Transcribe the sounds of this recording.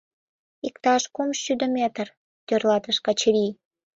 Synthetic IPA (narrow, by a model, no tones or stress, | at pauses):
ikt̪ɑʃkomʃʃyd̪ə̆mʲet̪ər | t̪ørlɑt̪əʃkɑt͡ɕeɾʲi